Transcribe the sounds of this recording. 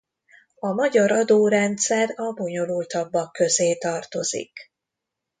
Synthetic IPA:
ɒmɒɟɒɾɒd̪oːɾɛnt̪sɛrɒbo̞ɲo̞lult̪ɒbːɒkːø̞zeːt̪ɒrt̪o̞zḭk

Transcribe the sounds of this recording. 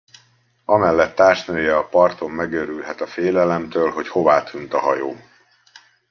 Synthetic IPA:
ɒmɛlːɛt̪ːaːrʃnøːjɛɒpɒrt̪o̞mːɛɡøɾylɦɛt̪ɒfeːlɛlɛmt̪øːlɦo̞cho̞vaːt̪ʰynt̪ɒɦɒjoː

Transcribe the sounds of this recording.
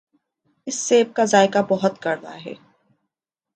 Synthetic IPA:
ɪsːeːb̚kazaːɪkabɔɦʊt̪kɐɾna̰ɦɛ̰ː

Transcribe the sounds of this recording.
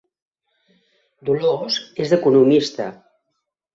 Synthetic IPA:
d̪ulozezðəkunumist̪ə

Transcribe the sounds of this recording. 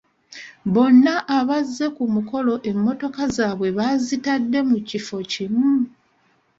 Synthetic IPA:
βo̞nːaʔaβazːe̞kumuko̞lo̞ʔe̞mːo̞to̞kazaːβwe̞βazitadːe̞mucifo̞cimu

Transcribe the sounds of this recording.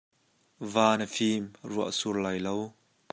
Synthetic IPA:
vaːnəfiːmruəʔsurlaːjlow

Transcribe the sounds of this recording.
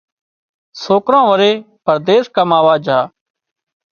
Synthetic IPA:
soːkɾãːʋəɾeː | pəɾd̪eːskəmaːʋaːd͡ʒʱaː

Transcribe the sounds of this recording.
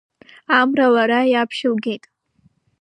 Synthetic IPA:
amralaɾajapʰʃɪlɡʲe̞jtʼ

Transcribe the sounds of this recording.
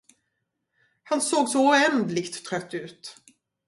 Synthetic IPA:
hansoːɡsɔʊɛnd̪lɪkt̪ʰːɾœt̪ʰːʉ̟ːt̪

